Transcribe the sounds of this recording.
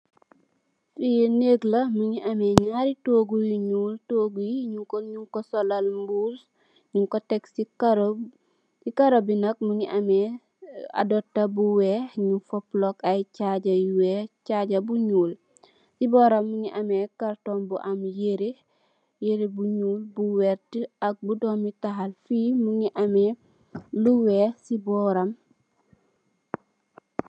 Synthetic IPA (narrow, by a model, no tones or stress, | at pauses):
fijneɡlɐmuɲiʔɐmɛɲaɾitoːɡujiɲuːltoːɡujiɲuŋkoɲuŋkosɔlalmbus | ɲuŋkotɛksikaɾ | cikaɾobinɐk̚muɲiʔɐmɛ | a̰dɔtːɐbuwɛɲufɔplɔkajcaɟɐjuwecaɟɐbuɲuːl | sibɔːɾɐmːuŋiʔɐmekaɾtombuʔɐmjeɾi | jeɾibuɲuːlbuwɛɾtiɐk̚budoːmitaɦalfiːmuŋiʔɐmɛ | luwesibɔːɾɐm